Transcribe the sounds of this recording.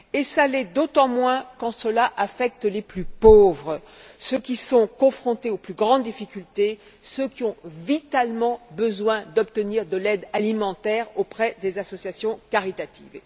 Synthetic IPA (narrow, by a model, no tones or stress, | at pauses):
esalɛd̪ot̪ɑ̃mwɛ̃kɑ̃səlaʔafɛk̚t̪leplypovʁə | søkʲisɔ̃kɔ̃fχɔ̃t̪eoplyɡʁɑ̃d̪d̪ifikʲylt̪e | søkʲiɔ̃vit̪almɑ̃bəzwɛ̃d̪ɔp̚t̪əniʁd̪əlɛd̪alimɑ̃t̪ɛʁopχɛd̪ezasɔsjasjɔ̃kaʁit̪at̪ḭːv